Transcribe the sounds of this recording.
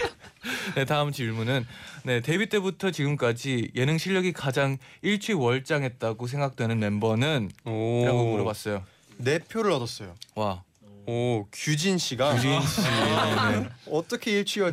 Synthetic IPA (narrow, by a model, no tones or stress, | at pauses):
ne̞taɯmt͡ɕiɭmunɯnne̞te̞bit͈e̞butʰʌt͡ɕiɡɯmk͈ad͡ʑijʔe̞nɯŋɕʰiʎːʌɡikad͡ʑaŋiɭt͡ɕʰɥiwʌɭt͡ɕ͈aŋɦe̞t̚t͈aɡos̬ʰe̞ŋɡak̚t͈we̞nɯnme̞mbʌnɯniɾaɡomɯɾʌbas͈ʌjo | ne̞pʰjoɾɯɭʌdʌs͈ʌjowa | kjud͡ʑinɕʰiɡani | neʌt͈ʌkʰe̞iɭt͡ɕʰwiwʌ